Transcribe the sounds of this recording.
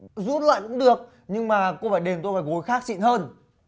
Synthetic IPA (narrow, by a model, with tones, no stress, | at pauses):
zu˦˥t̚lwa̰ː˧˨jkʊ̰˧˥ŋ͡mɗɨ˨˩ək̚ | ɲɨ˧ŋmaː˨˩ko˧faː˧˩jɗe˨˩mt̪o˧faː˧˩ɣo˨˦jxaː˦˥k̚t͡ɕḭ˧˨nhəː˧n